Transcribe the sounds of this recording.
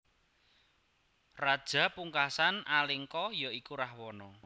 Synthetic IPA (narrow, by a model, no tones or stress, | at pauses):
rad̥ʒ̥a̤puŋkasanaliŋkɔjɔikuɾahwɔnɔ